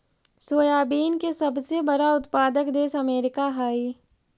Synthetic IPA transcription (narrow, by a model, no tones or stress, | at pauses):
soːjaːbiːnkesɐbsebəɾaʊt̪paːd̪əkd̪eːsɐmeːɾɪkaɦaːi